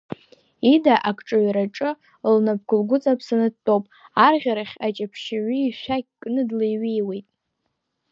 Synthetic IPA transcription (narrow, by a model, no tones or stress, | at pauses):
idaʔakʰʼʈ͡ʂʼɨɥɾaʈ͡ʂʼɨ | lnab̚ɡʷʰʊlɡʷʊt͡sʼapʰsanɨd̚tʼowpʼarʁʲaɾaχʲat͡ʃʼapʰʃaɥiiʃʷaɡ̚ʲkʼnɨdlejɥijwe̞jtʼ